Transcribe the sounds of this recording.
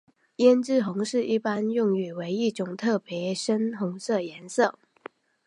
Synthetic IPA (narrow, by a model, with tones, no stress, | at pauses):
jɛ˥nʈ͡ʂɻ̩˥˩xʊ˧˥ŋʂɻ̩˥˧i˥˩pa˥njʊ˥˩ŋy˨˩we˧˥ɪi˥˩ʈ͡ʂʊ˨˩ŋt̪ʰɤ˥˩pʰjɛ˧˥ʂə˥nxʊ˧˥ŋsɤ˥˩jɛ˧˥nsɤ˥˩